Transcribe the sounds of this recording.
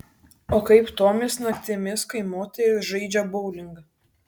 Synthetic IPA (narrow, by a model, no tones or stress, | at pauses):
oːkɐɪpt̪oːmʲɪsnɐkʲt̪ʲɪmʲɪskɐɪmoːt̪ʲɛɾʲʊʒɐɪd͡ʒʲɛbɐʊlʲɪŋɡ